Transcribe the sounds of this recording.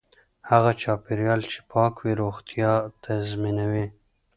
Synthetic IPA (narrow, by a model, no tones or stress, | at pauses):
haɣat͡ʃɑpeɾjɑlt͡ʃe̥pʰɑkwiɾoxt̪jɑt̪ʰazminawe